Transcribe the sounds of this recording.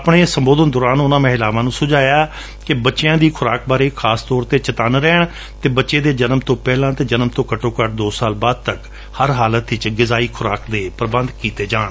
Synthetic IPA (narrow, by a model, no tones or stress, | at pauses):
pɳẽːsəmboːd̪ənd̪ʊɾaːnʊnãːmẽɦɪlaːʋãːnũːsʊd͡ʒaːjaː | kɪbətːʃejãːd̪iːkʰʊɾaːk̚baːɾeːkʰaːst̪ɔːɾt̪eːt͡ʃət̪aːnɾɛːɳ | t̪eːbətːʃeːd̪eːd͡ʒənmt̪õːpɛːlãːt̪eːd͡ʒənmt̪õːkəʈõːkəʈ̚d̪oːsaːlbaːd̪̚t̪ək | həɾɦaːlət̪ɪt͡ʃɡɪzaːiːkʰʊɾaːkd̪eːpɾəbə̃nd̪kiːt̪eːd͡ʒaːɳ